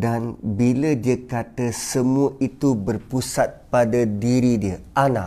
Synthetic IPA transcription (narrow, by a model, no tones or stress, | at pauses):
danbilədiəkat̪əsəmuəʔit̪ubərpusat̪̚padadiɾidiəʔana